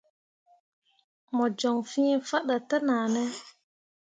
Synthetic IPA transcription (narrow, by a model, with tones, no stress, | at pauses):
mɔ˨d͡ʒɔ˨ŋfi˦ɲe˦fa˦ɗa˨tə˦naː˨nɛ˦